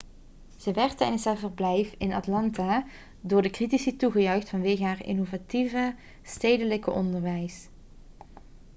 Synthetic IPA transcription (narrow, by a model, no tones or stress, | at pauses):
z̥əʋɛɹtɛjdəsɦaːɹvərblɛjfɪnɑtlɑnta | dʊːɹdəkritisituɣəjœɥxtfɑnʋeːɣəɦaːrɪ̰novativə | stejdələkəʔɔ̰ndəɹʋɛjs